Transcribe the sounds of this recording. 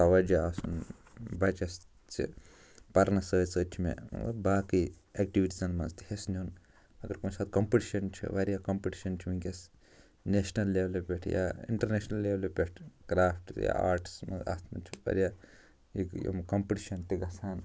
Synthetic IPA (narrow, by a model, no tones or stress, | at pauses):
ɐʋɐd͡ʒɐaːsun | bɐt͡ʃɐs | t͡ʃḭ | pɐɾnɐsəːsəːt͡ʃʰmḛ̃baːki | ek̚ʈiʋiʈizɐnmɐ̰nzt̪ihesnʲun | ɐɡɐɾkunsaːt̪kɐmpiʈiʃɐnt͡ʃʰḭʋɐɾijakɐmpiʈi̥ʃɐnt͡ʃʰiʋiŋkʲɐs | neʃnɐlːeʋɐlepʲeʈʰja̰ḭɳʈɐɾneʃnɐlːeʋɐlpʲeʈʰkɾaːfʈja̰aːɾʈsmɐ̰nza̰ːst̪ʰmɐ̰t͡ʃʰiʋɐ̰ɾjaː | iɡjo̰mkɐmpiʈiʃɐnt̪iɡɐsaːn